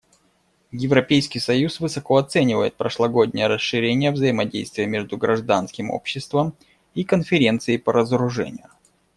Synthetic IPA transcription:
jɪvɾɐpʲejskʲijsɐjusvɨsɐko̞ɐt̪sɛnʲɪvə̰jɪt̪̚pɾəʂlˠɐɡo̞dʲnʲɪjəɾəsɨɾʲenʲɪjəvzəjɪmɐdʲejst̪vʲɪjəmʲe̞ʐd̪ʊɡɾɐʐd̪anskʲɪmo̰pɕːɪst̪vəm | ikənfʲɪɾʲe̞nt̪sɨɪpəɾəzəɾʊʐɛ̰nʲɪ̰jʊ

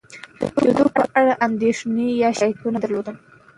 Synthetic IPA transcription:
d̪əd̪opəʔaɽaʔand̪eʂnejɑʃajt̪unad̪aɾlod̪əm

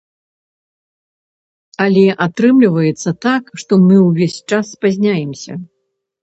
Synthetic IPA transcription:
ɐlʲɛʔat̪ɾɨmlʲivɐjɛt̪sːɐt̪akʂt̪ɔmɨwvʲesʲt͡ʂasːpazʲnʲajɛmsʲɐ̰

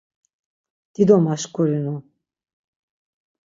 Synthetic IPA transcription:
d̪̥id̪ɔmaʃkʰʼɔɾinɔ

